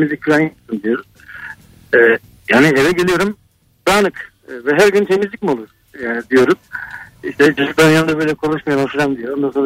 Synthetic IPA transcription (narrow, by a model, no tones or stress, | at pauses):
mizʲic̚fʰilʲanasɯnd̪ijo̞ɾum | ɛː | jaːnievɛɟelʲijo̞ɾum | d̪̥aːnɯkː | vɛɦæɾɟynt̪ʰe̞mizlʲicʲmio̞lˠuɾ | jaːnid̪ijo̞ɾumiʃt̪ʰɛd͡ʒuʒuklajanɯnd̪abø̞jlʲɛkʰo̞lˠuʃmajanaʃɯɾamd̪ijoɾond̪anso̞nɾ